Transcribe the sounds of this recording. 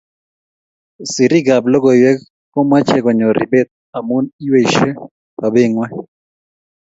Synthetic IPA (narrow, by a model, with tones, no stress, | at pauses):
si˨ɾi˦ɡa˨blɔ˦ɡɔ˨jwɛ˦k | kɔ˦ma˦t͡ʃɛ˦˨kɔ˨ɲɔ˨ɾʔḭ˨bɛ˦t̪̚ | a˨mu˦ni˦we˦˨i˨ʃɛ˦ | ka˨be˦ŋwɛ˦